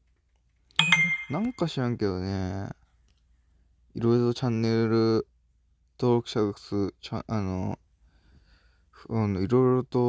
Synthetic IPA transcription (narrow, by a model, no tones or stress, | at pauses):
nãŋkaɕiɾãŋke̞d̪one | iɾo̞iɾot̪ot͡ɕãnːe̞ɾɯ̟ | t̪o̞ːɾo̞kɯ̟ɕaɡakɯ̥sɨt͡ɕaano | ɯnoiɾo̞iɾot̪o̞